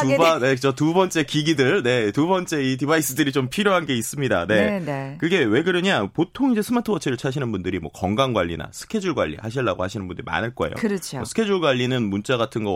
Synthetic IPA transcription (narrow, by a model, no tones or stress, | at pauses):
tubaekɯd͡ʑotubʌnt͡ɕ͈e̞kiɡidɯɭne̞tubʌnt͡ɕ͈e̞itibais͈ɯdɯɾit͡ɕompʰiɾjoɦanɡe̞is͈ɯmɲidane̞nekɯɡe̞we̞ɡɯɾɯɲapotʰoŋid͡ʑe̞sʰɯmatʰɯwʌt͡ɕʰiɾɯɭt͡ɕʰaɕʰinɯnbundɯɾimwʌkʌŋɡaŋɡwaʎːḭna̰sʰɯ̥kʰe̞d͡ʑuɭɡwa̰ʎːḭhaɕʰiɭːaɡo̰haɕʰinɯnmbundɯɾḭma̰nɯɭk͈ʌḛjo̰ɯɾʌt͡ɕʰoʌ̰sʰɯ̥kʰe̞d͡ʑuɭɡwaʎːinɯnmunt͡ɕ͈aɡatʰɯnɡʌ